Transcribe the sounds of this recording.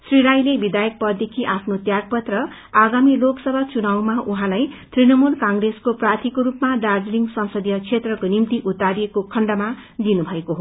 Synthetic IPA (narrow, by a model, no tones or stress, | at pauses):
sriɾajlebid̪ajʌk̚pʌd̪ekʰiʔapʰnot̪jaɡ̚pʌt̪rʌ | aɡamiloksʌbʱat͡sunawmaʔuɦãlajt̪rinʌmulkaŋɡreskoprat̪ʰikoɾupmaɖard͡zliŋɡsʌnsʌd̪jʌt͡sʰet̪rʌkonimt̪iʔut̪aɾijekokʰʌɳɖʌma | d̪inubʱʌekoɦo